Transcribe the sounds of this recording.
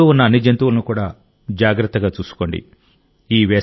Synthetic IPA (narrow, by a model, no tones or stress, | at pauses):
oːunːɐɐnːid͡ʒɐnt̪uʋulɐnukuːɽaː | d͡ʒaːɡɾɐt̪ːɐɡaːt͡ʃuːsu̥ko̞ːɳɖḭ | iːʋɛː